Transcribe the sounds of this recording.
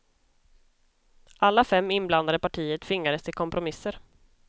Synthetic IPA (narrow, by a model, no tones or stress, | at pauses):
ʔalːafɛmːɪnbland̪ad̪əpaʈʰiːət̪fɪŋːad̪əst̪ʰɪlkʰɔmpɾʊmɪsːəɾ